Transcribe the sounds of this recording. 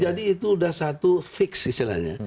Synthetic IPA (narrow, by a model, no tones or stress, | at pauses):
d͡ʒadiːt̪uːdahsat̪ufɪksist̪ila̰hɲa̰